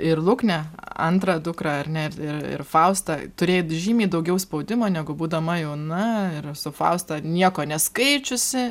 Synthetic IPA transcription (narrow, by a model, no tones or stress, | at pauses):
ɪrlˠʊknʲɛɐ̰nt̪ɾɐːd̪ʊkrɐːɐrʲnʲɛɪrɪrɪ̰rfɐʊst̪ɐt̪ʊɾʲeːjʒʲiːmʲiːd̪ɐʊɡʲɛʊspɐʊd̪ʲɪmoːnʲæɡʊbuːd̪ɐmɐjɛʊnɐɪrsʊfɐ̰ʊst̪ɑnʲiɛkoːnʲɛskɐɪt͡ʃʲʊsʲɪ